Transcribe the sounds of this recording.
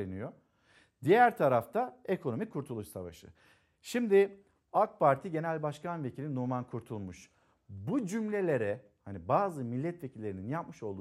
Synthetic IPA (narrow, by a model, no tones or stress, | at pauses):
enijo | d̪ijæɾt̪ʰaɾaft̪ʰaekʰo̞no̞mikʰuɾt̪ʰulˠuʃsa̰va̰ʃɯ̰ | ʃimd̪ɪ | ak̚pʰaɾt̪ʰiɟe̞nælʲbaʃkanve̞cʰilʲinumankʰuɾt̪ʰulˠmuʃ | bud͡ʒymlʲe̞lʲe̞ɾɛ | hanibaːzɯmilʲːɛt̪ve̞cʰilʲːe̞ɾininjap̚mɯʃo̞lˠd̪